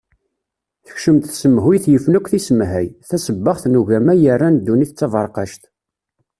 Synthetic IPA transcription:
θə̥çʃəmt̪θsəmɦwijθjəfnækʷθisəmɦæjθæsəbːəχθnuʝæmæjərˤːænd̪ːuniθt͡sːɑvɑɾˤqɑʃt̪

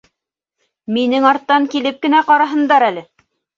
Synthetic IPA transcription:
minɘŋɑɾt̪ːɑŋkilɘp̚kɘ̆næqɑɾɑɦɤ̆nd̪ɑɾælɘ

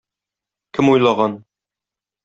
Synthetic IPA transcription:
kʲʰɘmujlˠɑʁɑn

